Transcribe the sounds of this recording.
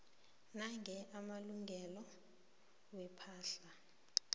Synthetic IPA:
naŋʱɛʔamaluŋʱɛlɔ | wɛpʰaːɬa

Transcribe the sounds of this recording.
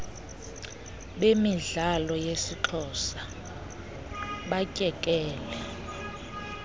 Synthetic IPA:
ɓemiɮalɔjesiǃʰɔsa | ɓacʼɛkʼɛːlɛ

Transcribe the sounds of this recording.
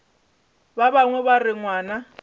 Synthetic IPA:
babaŋwɛbarɪŋwaːna

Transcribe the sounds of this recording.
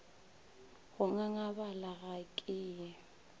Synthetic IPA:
ɣʊŋaŋabalaɣakʼɪːɛ

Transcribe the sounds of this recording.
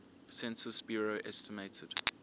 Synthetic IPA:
sɛ̃nsəsb̥jɔːɹoʔɛstəmeɪtʰəd̥

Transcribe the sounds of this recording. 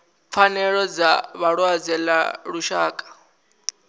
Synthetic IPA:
p̪fʰanɛɺɔd͡zaβaɺwad͡zɛla̰ɺuʃaːkʼḁ

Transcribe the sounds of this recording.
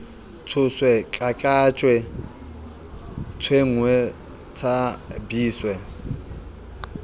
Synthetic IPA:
t͡sʰʊswɛkʼakʼat͡ʃʼwɛ | t͡sʰweŋwɛ | t͡sʰabiːswɛ

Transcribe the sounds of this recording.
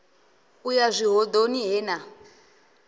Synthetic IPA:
ujazʷiɦɔd̪oniɦɛːna

